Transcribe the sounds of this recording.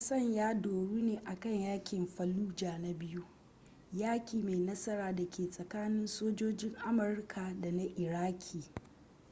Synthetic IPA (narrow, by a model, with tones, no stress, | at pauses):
ɐ˦sɐ˦˨ɲjaː˦doː˨ɽuː˦neː˨ʔa˨kɐ˦˨ɲjaː˦kʲɪ˨mɸɐ˨luː˦d͡ʒaː˨na˦bɪ˦ju˦ | jaː˦kʲiː˨ma˨jnɐ˦sɐ˦ɾaː˨da˨kʲʰeː˨sʼɐ˨kaː˦nɪ˦nsoː˦d͡ʒoː˦d͡ʒɪ˦ŋʔa˦mʊ˨rkʰa˨da˨na˦ʔɪ˨ɾaː˦kʲʰiː˨